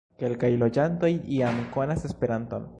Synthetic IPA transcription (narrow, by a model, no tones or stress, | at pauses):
kelkajlo̞d͡ʒanto̞jiamkonase̞spe̞ɾant̪o̞̰n